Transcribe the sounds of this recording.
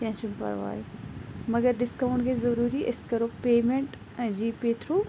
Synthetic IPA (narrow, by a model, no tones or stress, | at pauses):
kɐ̃ɦt͡ʃumpɐ̰ɾʋa̰ːemɐɡəɾɗɪskãːɳɖkʰeːzɐɾuːɾiʔɪskɐɾopeːmẽɳʈː | d͡ʑiːpeːt̪ʰɾu